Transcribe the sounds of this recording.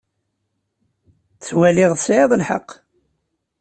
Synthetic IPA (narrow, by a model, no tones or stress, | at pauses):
θt͡swælɪʁsʕeðˤəlħə̰qː